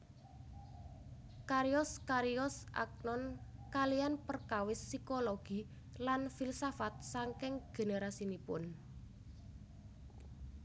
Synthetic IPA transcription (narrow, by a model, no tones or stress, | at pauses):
kaɾiɔskaɾiɔsʔa̰k̚nɔnkalijanpərkawɪsːikoloɡ̥i̤ | lanfilsafat̪̚saŋkɪŋɡ̥e̤neɾasinipʊn